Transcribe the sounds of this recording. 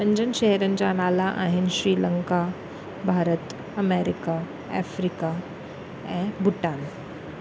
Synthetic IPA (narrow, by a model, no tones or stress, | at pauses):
əɲd͡ʑənɕeɦɾənd͡ʑaɽ̃alaʔaɦinɕɾiːləŋka | bʱaɾət̪ | əmeɾika | ɛ̰fɾika | ɛ̃bʱuʈan